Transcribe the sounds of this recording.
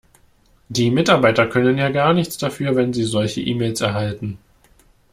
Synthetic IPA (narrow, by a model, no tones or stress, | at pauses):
d̥iːmɪtaɐbaɪtɐkʰœnənjaːɡaːɐnɪçt͡sd̥afyːɐvɛnziːzɔlçəʔiːmeːlsɛɐɦaltn̩